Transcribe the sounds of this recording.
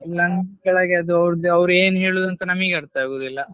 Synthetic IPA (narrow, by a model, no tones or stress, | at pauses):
ilːɐnɡɐɭɐɡeɐd̪uɐʋɾd̪ɐʋɾueːnɦeːɭoːd̪ɐnt̪ɐnɐmɐiːɡɐɾt̪aaːɡoːd̪ilːɐ